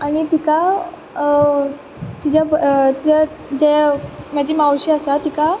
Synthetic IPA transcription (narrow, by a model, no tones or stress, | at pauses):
aɽ̃it̪ika | t̪id͡ʑat̪id͡ʑa | d͡ʑɛm̤ad͡ʑiːmawɕiasat̪ika